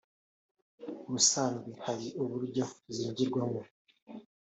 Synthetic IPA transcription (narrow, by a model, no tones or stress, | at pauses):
uβusaːnɡihaɾiʔuβuɾɟouziːɲɟiɾɡwamo